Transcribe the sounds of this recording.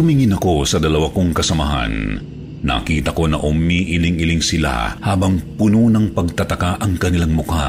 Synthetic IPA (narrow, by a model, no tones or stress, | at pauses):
tʊmiŋɪnɐko̞sɐd̪ɐlɐwako̞ŋkɐsɐmɐɦa̰nː | ɐ̰kiːt̪ɐko̞nɐ̰ʔʊmiʔɪlɪŋɪlɪŋsɪla̰haːbɐŋpʊnonɐŋpɐɡ̚t̪ɐt̪ɐkaʔɐŋkɐnɪlaŋmʊka